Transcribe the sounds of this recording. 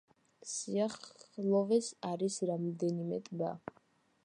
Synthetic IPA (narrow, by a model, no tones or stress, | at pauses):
siaχlˠɔvɛsaɾisɾamd̪ɛnimɛt̪ʼba̰